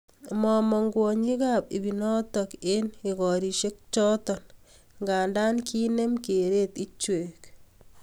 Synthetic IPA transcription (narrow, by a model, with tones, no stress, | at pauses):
mɔ˨mɔ˨ŋɡwɔɲi˦kapḭ˨bi˨nɔ˦tɔke˦ni˨ɡɔ˨ɾi˨ʃe˦k̚t͡ʃɔ˦tɔ˨n | ŋɡa˨nda˦nkʰi˦ne˦mke˨ɾe˦t̪i˦t͡ʃwe˨k